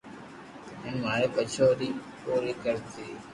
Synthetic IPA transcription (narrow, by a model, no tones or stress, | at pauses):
ɪnmaːekət͡ʃʰoːɾiːpoːɾiːkəɾt̪iː